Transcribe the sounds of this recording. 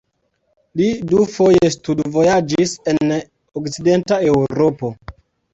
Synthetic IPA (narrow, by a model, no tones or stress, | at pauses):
lidufo̞je̞studvo̞jad͡ʒisenn | okt͡sidentae̞wɾopo